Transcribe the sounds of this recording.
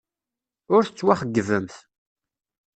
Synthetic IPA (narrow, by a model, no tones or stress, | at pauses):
ʊɾθət͡sːwaχəɡːəvəmθ